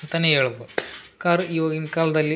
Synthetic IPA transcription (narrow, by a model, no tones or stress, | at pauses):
nt̪ɐneeːɭubokaːɾiʋɐːɡinkaːlɐd̪ɐlːi